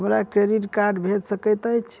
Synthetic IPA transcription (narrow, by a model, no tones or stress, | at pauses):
ɦəmɾakɾeɾiʈkaɾɖbʱeʈsəkəjt̪əjt͡ʃʰ